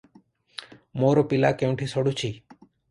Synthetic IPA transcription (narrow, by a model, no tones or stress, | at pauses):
moɾɔpila̰keũʈʰisɔɽut͡ʃʰi